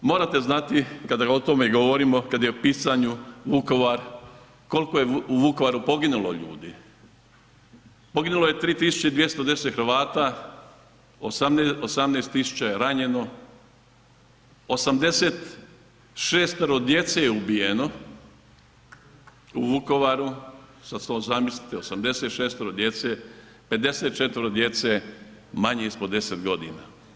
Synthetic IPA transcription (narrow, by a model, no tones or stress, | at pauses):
mo̞ːɾat̪e̞znat̪ikad̪aɡot̪o̞meiɡo̞ʋoɾimo̞kad̪jeopiːsaɲuʋuko̞ʋaɾ | ko̞lko̞je̞uʋuko̞ʋaɾupo̞ɡinulo̰ʎṵːd̪i | po̞ɡinuloje̞t̪ɾiːt̪isu̥t͡ɕed̪ʋje̞st̪od̪e̞set̪xɾʋaːt̪a | osameosamneːst̪ːisu̥t͡ɕajeɾaɲe̞no̞ | osamd̪e̞set̪ | ʃeːst̪aɾod̪je̞t̪sejeubijeno̞ | uʋuko̞ʋaɾusat̪salozamislit̪eosamd̪e̞set̪ʃeːst̪oɾod̪je̞t̪se | pe̞d̪e̞set̪̚t͡ʃet̪ʋəɾod̪je̞t̪se | maɲeispo̞d̪e̞set̪ɡo̞d̪ḭna̰